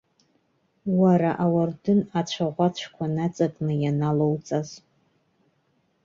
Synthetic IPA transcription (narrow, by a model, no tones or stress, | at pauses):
waɾaʔawardɨnat͡ɕʷʰaʁʷat͡ʃʷʰkʷʰanat͡sʼapʼnɨjanalowt͡sʼaz